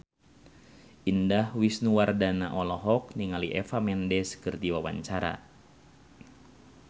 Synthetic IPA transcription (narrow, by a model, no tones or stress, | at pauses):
ʔindahwisnuwardanaʔɔlɔɦɔk̚niŋaliʔɛfamɛndɛskɨrt̪iwawa̰ɲt͡ʃaɾa̰